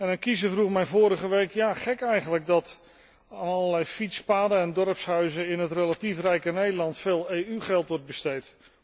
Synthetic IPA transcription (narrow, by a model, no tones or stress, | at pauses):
ɛnɛkizəvruχmɛjvʊːɾəχəʋejkjaːχɛkɛjχənləɡ̚dɑt | aːnɑləlɛjfitspaːdəɛndɔɹpsɦœɥzəɪnɦətrelatifrɛjkənejdəlɑntfeːlˠejyχɛlˠtʋɔɹd̚bəstejt